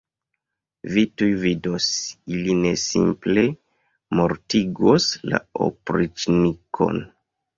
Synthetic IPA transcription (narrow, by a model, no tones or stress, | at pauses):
vitujvidosiline̞sḭmple̞ | mo̞ɾtiɡosla̰o̰pɾit͡ʃnikʰo̞̰n